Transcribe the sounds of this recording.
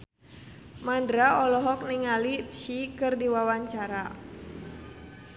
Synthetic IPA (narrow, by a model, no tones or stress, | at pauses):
mandɾaɔlɔɦɔk̚niŋalipʃikɨrdiwawaɲt͡ʃaɾa